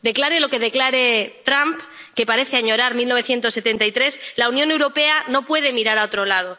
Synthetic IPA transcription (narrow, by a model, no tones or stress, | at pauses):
d̪e̞klaɾe̞lo̞ke̞ð̞e̞klaɾet̪ɾampke̞paɾe̞θeaɲo̞ɾaɾmilnoβe̞θje̞nt̪o̞sːet̪e̞nt̪ajt̪ɾe̞slaunjo̞ne̞wɾo̞pe̞ano̞pwe̞ð̞e̞miɾaɾao̞t̪ɾo̞lað̞o